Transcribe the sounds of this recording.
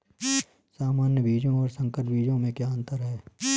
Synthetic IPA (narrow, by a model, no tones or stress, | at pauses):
saːmaːnjəbiːd͡ʒõɔːɾsə̃ŋkəɾbʱiːd͡ʒõmẽkjaːə̃nt̪əɾɦɛː